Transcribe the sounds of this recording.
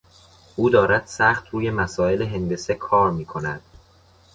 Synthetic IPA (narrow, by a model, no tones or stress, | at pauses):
ʔuːd̪ɒːɾæd̪̥sæχt̪ʰɾuːje̞mæsɒːe̞leɦe̞nd̪e̞sekʰɒːɾmiːkʰo̞næd̪̥